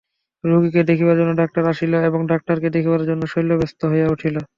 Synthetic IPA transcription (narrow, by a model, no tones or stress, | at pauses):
ɾuɡiked̪ekʰibaɾd͡ʑonːoɖak̚ʈaɾaʃiloeboŋɖak̚ʈaɾked̪ekʰibaɾd͡ʑonːoʃojlobest̪oɦojeuʈʰilo